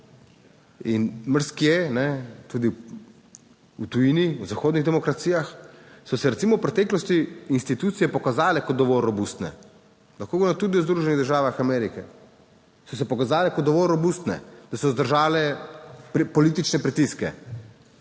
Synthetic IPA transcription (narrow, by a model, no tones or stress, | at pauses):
inməɾskjɛnɛt̪ud̪i | ut̪ujiniwzaxoːd̪niɣd̪ɛmɔkɾat̪sijaxsɔsɛɾɛt̪siːmɔwpɾɛt̪ɛːklɔst̪iːnst̪it̪ut̪sijɛpɔkazaːlɛkɔt̪̚d̪ɔʋɔlɾɔbust̪nɛ̰ | laxkoɡnɔt̪uːd̪iwzd̪ɾuʒɛniɣd̪əɾʒaːʋaxamɛːɾikɛ | sɔs̬ɛpɔkazaːlɛkɔt̪d̪ɔʋɔlɾɔbust̪nɛ̰d̪̥asɔzd̪əɾʒaːlɛ | pɔliːt̪it͡ʃnɛpɾit̪iskɛ̰